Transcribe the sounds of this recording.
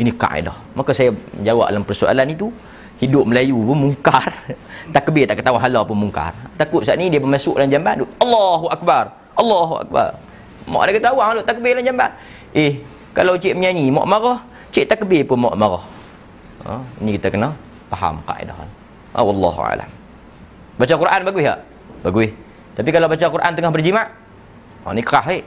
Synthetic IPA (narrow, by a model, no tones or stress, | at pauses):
inika̰ʔḛdahmakasajad͡ʒawa̰ʔ̚dalampərsua̰lanit̪u | hidʊp̚məlajupʊnmuŋkart̪aʔkəbɪt̪aʔkət̪awaɦalɔpʊnmuŋka̰rt̪akʊt̪̚saʔnidiapəmasʊʔland͡ʒamband̪uʔɑlːɑɦuʔak̚bar | ɑlːɑɦua̰k̚ba̰r | mɔ̰ʔdakət̪awaŋhalot̪aʔkəbɪhland͡ʒamban | ʔɪh | kalawt͡ʃiʔməɲaɲimɔ̰ʔmaɣɔh | t͡ʃɪʔt̪akəbɪpʊnmɔ̰ʔmaɣɔh | nikit̪akəna | paɦa̰mka̰ʔḭda̰ɦa̰n | a̰wɑlːɑ̰ɦṵa̰la̰m | bat͡ʃakuɾʔanbaɡuɪɦa̰ʔ | baɡuɪh | t̪ap̬ikalawbat͡ʃakuɾʔant̪əŋɔhbərd͡ʒimaʔ | ɔ̰ʔnikəaɦeʔ